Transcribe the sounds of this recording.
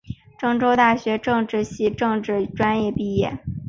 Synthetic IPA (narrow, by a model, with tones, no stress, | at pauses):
ʈ͡ʂɤ˥˧ŋʈ͡ʂo˥ʊt̪a˥˩ɕɥɛ˧˥ʈ͡ʂɤ˥˧ŋʈ͡ʂɻ̩˥˧ɕi˥˧ʈ͡ʂɤ˥˧ŋʈ͡ʂɻ̩˥˩ʈ͡ʂwa˥njɛ˥˧pi˥˧jɛ˥˩